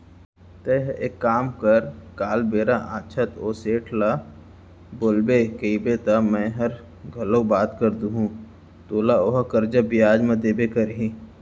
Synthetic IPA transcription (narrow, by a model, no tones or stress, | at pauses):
t̪eɦḛkːaːmkəɾkaːlbeːɾaʔaːt͡ʃʰət̪oːseːʈʰla | boːlbekəibet̪amɛ̃ɦɐɾ | ɡʱɐlõbaːt̪kəɾd̪uɦũ | t̪oːlaoɦkəɾd͡ʒabɪjaːd͡ʒmẽd̪eːbekɐɾɦĩ